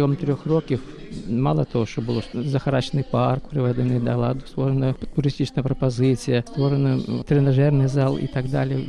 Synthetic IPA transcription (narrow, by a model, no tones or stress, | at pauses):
jomt̪ɾʲoxrokʲɪf | malˠət̪ɐvoʂt̪obɨlˠozəxɐɾat͡ɕɪnɨjparkpɾʲɪvʲɛd̪ʲɪnɨd̪ɐlˠa̰d̪ʊ̥st̪voɾənət̪ʊɾʲɪsʲtʲit͡ʃsəjəpɾəpɐzɨt͡sʲɪjəst̪voɾənət̪ɾʲɪnɐʐɛrnɨjzalˠḭt̪ɐɡd̪alʲɪjə